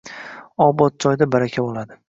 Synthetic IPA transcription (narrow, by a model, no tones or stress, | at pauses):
ɒbɒt̪̚d͡ʒɒjd̪abaɾakʲʰabolˠad̪ɪ